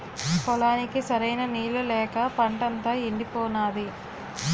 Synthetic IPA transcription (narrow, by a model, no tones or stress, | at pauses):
kɔlaːnikisɐɾɐjnɐniːlulɛːkɐpɐɳʈɐnt̪aːeɳɖipɔːnaːd̪i